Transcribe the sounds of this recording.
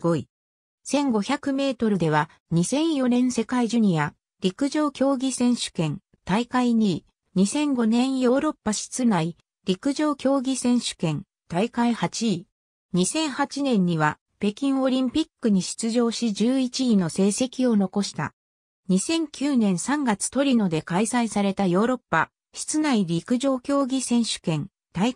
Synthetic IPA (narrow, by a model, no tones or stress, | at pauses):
oi | sẽ̞ŋɡo̞çʲakɯ̟me̞ːt̪o̞ɾɯ̟d̪e̞β̞a | ɲ̟isẽ̞ɰ̃jo̞nẽ̞ɰ̃se̞kaiʑɯɲ̟ija | ɾʲikɯ̟ʑo̞ːkʲo̞ːɡʲisẽ̞ɰ̃ɕɨ̥kẽ̞n | t̪aikaiɲiː | ɲ̟isẽ̞ŋɡo̞nẽ̞ɰ̃jo̞ːɾo̞pːaɕi̥t͡sɨnai | ɾʲikɯ̟ʑo̞ːkʲo̞ːɡʲisẽ̞ɰ̃ɕɨ̥kẽ̞n | t̪aikaihat͡ɕiː | ɲ̟isẽ̞ɰ̃hat͡ɕinẽ̞ɲ̟ːiβa | pe̞kʲĩɰ̃o̞ɾʲĩmpʲikːɯ̟ɲ̟iɕi̥t͡sɨʑo̞ːɕid͡ʑɨːit͡ɕiːno̞se̞ːse̞kʲio̞no̞ko̞ɕi̥t̪a̰ | ɲ̟isẽ̞ŋkʲʰɨːnẽ̞ɰ̃sãŋɡat͡sɨ̥t̪o̞ɾʲino̞d̪e̞kaisaisaɾe̞t̪ajo̞ːɾo̞pːa | ɕi̥t͡sɨnaiɾʲikɯ̟ʑo̞ːkʲo̞ːɡʲisẽ̞ɰ̃ɕɨ̥kẽ̞n | t̪ai